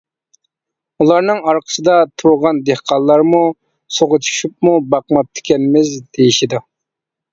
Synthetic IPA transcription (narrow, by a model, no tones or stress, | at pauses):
ulˠɑɾnɨŋɑɾqʰə̥sɨd̪ɑt̪ʰoʁɑnd̪ehqʰɑllˠːɑɾmu | soʁʊt͡ʃʰu̥ʃup̚mubɑqmɑp̚t̪ʰɪ̥kʲɛnmɪzd̪ejiʃid̪ɨ